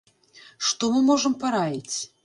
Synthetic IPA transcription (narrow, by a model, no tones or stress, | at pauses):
ʂt̪ɔmɨmɔʐɨmpaɾajʲit͡sʲ